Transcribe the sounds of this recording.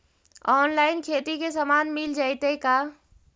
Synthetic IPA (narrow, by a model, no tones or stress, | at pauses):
ɔːnlaːɪnkʰeːt̪ikesəmaːnmɪld͡ʒaːjt̪eka